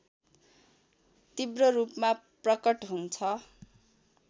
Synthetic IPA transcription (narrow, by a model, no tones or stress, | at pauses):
t̪ibrʌrupmaprʌkʌʈɦunt͡sʰʌ